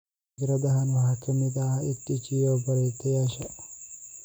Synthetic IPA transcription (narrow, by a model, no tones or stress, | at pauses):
ɡɾɐd̪ɐɦɐnwɐɦɐkːɐnːɪd̪aːɐɪt̪ːɪt͡ʃːijoːbɐɾeːt̪ːɛjaːʃɐ